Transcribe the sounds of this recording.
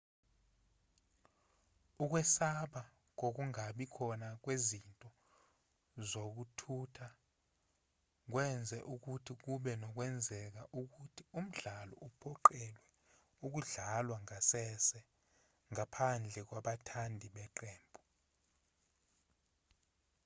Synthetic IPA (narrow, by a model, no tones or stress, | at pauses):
uk̬wɛsaɓa | k̬ok̬uŋaɓikʰɔnak̬wezintʼɔ | zok̬utʰutʰa | k̬wɛnd͡zʱɛʔuk̬utʰik̬uɓɛnɔk̬wɛnd͡zʱɛk̬aʔuk̬utʰium̩ɮalɔ̰ʔupʰɔǃɛlwɛ | uk̬uɮalwaŋasɛsɛ | ŋapʰand͡ɮʱɛk̬waɓatʰandʱiɓɛǃeːmbʱu